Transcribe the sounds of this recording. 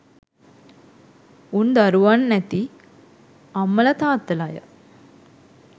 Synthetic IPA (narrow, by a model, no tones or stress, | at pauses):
und̪aɾuʋanːæt̪i | amːəlɐt̪aːt̪ːəlajə̰